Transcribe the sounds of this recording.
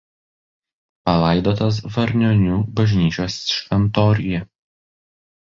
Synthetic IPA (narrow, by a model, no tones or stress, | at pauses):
pɐlˠɐɪd̪oːt̪ɐs̬ʋɐɾʲnʲɔnʲuːbɐʒʲnʲiːt͡ʃʲoːsʃʲʋʲɛnt̪ɔːɾʲɪjɛ